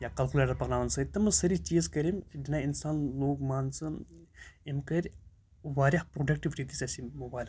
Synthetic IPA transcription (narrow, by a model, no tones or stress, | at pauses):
jakɐlkulaːɾɐpɐɣnaːʋɐnsɐt̪ɐmɨsɐɾit͡ʃiːzkɐɾʲimdinainsaːnloːɡmaːnt͡sɨ | imkɐɾʲ | ʋaːɾʲiħpɾoːɖɐk̚ʈiʋɾit̪isɐsʲimɐbaːlʲ